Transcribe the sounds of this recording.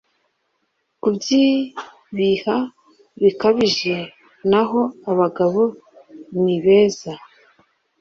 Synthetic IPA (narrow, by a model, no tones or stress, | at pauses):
kubɟiː | βiha | βikaβiʒe̞ | naɦo̞aβaɡaβo̞nniβe̞ːza